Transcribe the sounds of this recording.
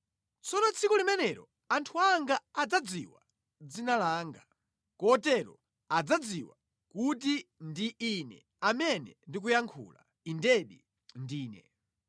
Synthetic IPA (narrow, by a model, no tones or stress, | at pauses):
t͡sʰɔnɔt͡sʰikɔlimɛnɛɾɔ̰ | antʰuaŋɡaːd͡zad͡ziwa̰ | d͡zinalaːŋɡa | kɔtɛɾɔ̰ | ad͡zad͡ziwa | kutindiinɛ̰ | amɛnɛndik̬ujaŋkʰṵla̰ | indɛɗḭ | ndiːnɛ